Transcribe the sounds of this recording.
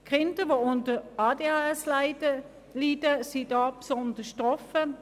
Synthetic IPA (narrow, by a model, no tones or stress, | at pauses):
kʁɪntəʋoʊntəɑːdeɑɛslaɪ | liːdəsidɑːpsɔndəʃtʁɔfə